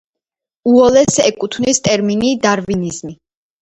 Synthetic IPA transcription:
uɔlɛsɛkʼut̪ʰvnist̪ʼɛɾminid̪aɾvinizmi

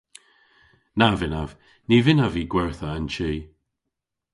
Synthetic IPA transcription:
navɪnav | nivɪnaviːɡwɛɹθəːnt͡ʃiː

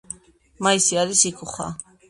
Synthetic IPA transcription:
maisiaɾisikʰuχa̰

